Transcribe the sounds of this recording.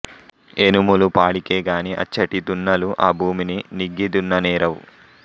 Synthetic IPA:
enumulupaːɽikeːɡaːniʔɐ̰t͡ʃːɐʈit̪unːɐluʔaːbʱuːmininiɡːid̪unːɐniːɾɐwṵ

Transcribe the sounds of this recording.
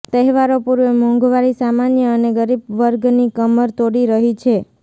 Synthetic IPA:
t̪əɦʋaɾopuɾʋemɔ̃ŋɡʋaɾisamanjəːneɡəɾibʋəɾɡnikəməɾt̪oɽiɾəɦit͡ʃʰe

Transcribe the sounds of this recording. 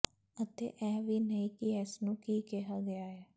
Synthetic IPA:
ət̪ḛːʔɛːʋiːnəĩːkɪɛːsnũːkiːkeɦaːɡɪaːɦɛː

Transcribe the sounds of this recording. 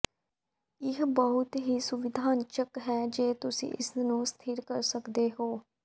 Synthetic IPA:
ɪɦbəɦʊt̪ɦiːsʊʋɪd̪ʱaːnt͡ʃəkɦɛːd͡ʒeːt̪ʊsḭ̃ːʔɪsnũːst̪ʰɪɾkəɾsəkd̪eːɦoː

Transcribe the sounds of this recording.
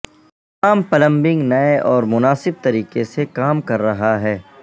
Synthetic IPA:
aːmpɐlə̃mbɪ̃ŋɡnɐeʔɔːɾmʊnaːsɪb̚t̪ɐɾiːqesekaːmkɐɾːɐɦaɦɛː

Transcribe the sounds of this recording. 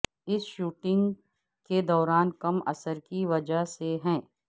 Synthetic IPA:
ɪsʃuːʈɪ̃ŋɡ | ked̪ɔːɾaːnkɐmɐ̰səɾkiʋɐd͡ʒaɦseɦɛ̃ː

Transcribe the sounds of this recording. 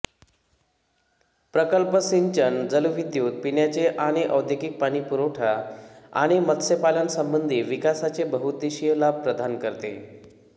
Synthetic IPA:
pɾəkəlpəsiɲt͡ɕənd͡zəluʋid̪juːt̪̚piɳjat͡seʔaɽ̃iʔəwd̪ʱjəkik̚paɽ̃iːpuɾoʈʰaa̰ɽ̃imət̪sepalənsəmbənd̪ʱiːʋikasat͡sebəɦut̪iɕijəlab̚pɾəd̪ʱankəɾt̪ḛ

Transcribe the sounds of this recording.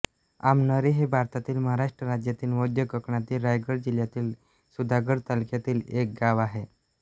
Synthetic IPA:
a̰mnəɾeɦebʱaɾt̪at̪iːlməɦaɾaʂʈɾəɾad͡ʑjat̪iːlmod̪ʱjəkəkɳat̪iːlɾajɡəɽd͡ʑiljat̪iːl | sud̪ʱaɡəɽt̪alukjat̪iːlek̚ɡaʋaɦe

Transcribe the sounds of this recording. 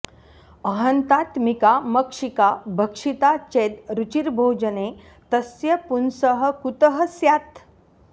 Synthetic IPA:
əɦɐnt̪aːt̪mikamɐkʂikabʱəkʂit̪at͡ʃeːd̪ɾut͡ʃiɾbʱoːd͡ʒəne | t̪ɐsjɐpunsəɦə̆kut̪əɦəsjaːt̪

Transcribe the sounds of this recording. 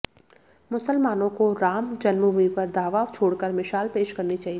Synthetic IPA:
mʊsəlmaːnõkoɾaːmd͡ʒɐnmuɦipɐɾd̪aːʋat͡ʃʰoːɽkɐɾmɪʃaːlpeːʃkɐɾnit͡ʃaːɦi

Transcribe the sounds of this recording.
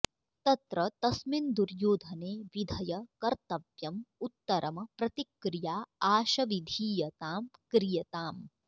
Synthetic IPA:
t̪ɐt̪ɾɐt̪ɐsmind̪uɾjoːd̪ʱɐneːʋid̪ʱɐjɐkɐɾt̪ɐʋjɐmut̪ːɐɾʔɐmɐpɾɐt̪ikɾijaːaːʃɐʋid̪ʱiːjɐt̪aːmkɾijɐt̪aːm

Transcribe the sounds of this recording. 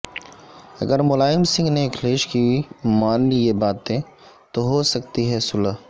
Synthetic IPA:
ɐɡəɾmʊlaːɪmsɪ̃ŋɡneɪkʰleːʃkiimaːnlijebaːt̪ẽ | t̪oɦosɐk̚t̪iɦɛsʊlə

